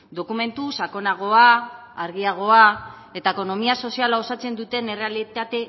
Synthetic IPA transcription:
d̪o̞kume̞nt̪usako̞naɣ̞o̞a | aɾɣ̞iaɣ̞o̞a | e̞t̪aeko̞no̞miaso̞sialaosat͡se̞nd̪ut̪e̞ne̞realit̪at̪e̞

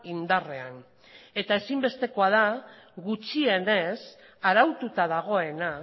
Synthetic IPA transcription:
ind̪are̞an | e̞t̪ae̞simbe̞st̪e̞ko̞að̞aɣut͡ʃie̞ne̞s | aɾawt̪ut̪að̞aɣ̞o̞e̞na

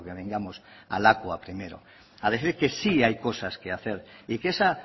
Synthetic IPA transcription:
okeβ̞eŋɡamosa̰lakwapɾimeɾo̰ | aðeθiɾkesiajkosaskeaθeɾikesa

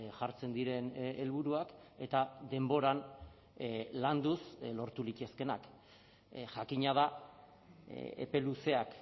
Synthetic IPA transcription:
ʝaɾt͡se̞nd̪iɾe̞nelβuɾuake̞t̪ad̪e̞mbo̞ɾan | land̪uslo̞ɾt̪ulic̪e̞ske̞nak | ʝakiɲað̞a | ḛpe̞luse̞ak

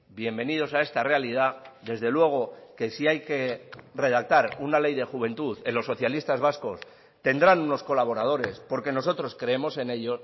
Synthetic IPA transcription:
bje̞mbe̞niðo̞sae̞st̪are̞alið̞aðe̞zðe̞lwe̞ɣ̞o̞ke̞siajke̞re̞ð̞ak̚t̪aɾunale̞jðe̞xuβe̞nt̪uðelo̞sːo̞θjalist̪azβasko̞s | t̪e̞nd̪ɾanuno̞sko̞laβ̞o̞ɾað̞o̞ɾe̞spo̞ɾke̞no̞sot̪ɾo̞skɾe̞emo̞se̞ne̞ʎo̞

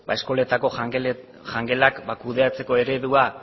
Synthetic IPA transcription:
bae̞sko̞le̞t̪ako̞ | ʝaŋɡe̞lakbakuðe̞at͡se̞ko̞e̞ɾe̞ðua

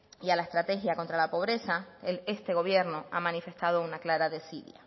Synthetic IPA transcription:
ialaest̪ɾat̪e̞xjako̞nt̪ɾalapo̞β̞ɾe̞sae̞st̪e̞ɣ̞o̞βje̞ɾnoamãnife̞st̪aðo̞unaklaɾaðesiðja̰

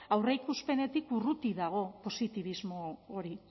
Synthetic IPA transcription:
awreikuspe̞ne̞t̪ikurut̪iðaɣ̞o̞po̞sit̪iβ̞izmo̞ːɾi

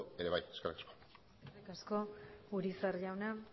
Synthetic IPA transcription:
e̞ɾe̞βaje̞skerikasko | serikasko̞uɾisaɾʝawna

